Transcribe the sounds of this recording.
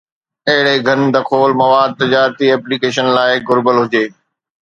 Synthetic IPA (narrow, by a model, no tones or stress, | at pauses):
ɐɦɪɽeɡʱɐnd̪ɐkʰoːlmɐʋaːd̪̚t̪ɪd͡ʑaːɾt̪iɛːpliːkeːʃənlaːɪɡʊɾbəlɦʊd͡ʑeː